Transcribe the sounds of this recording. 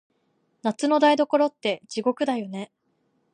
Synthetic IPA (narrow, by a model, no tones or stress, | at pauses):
nat͡sɨno̞d̪aid̪o̞ko̞ɾo̞t̪ːe̞d͡ʑiɡo̞kɯ̟d̪ajo̞ne̞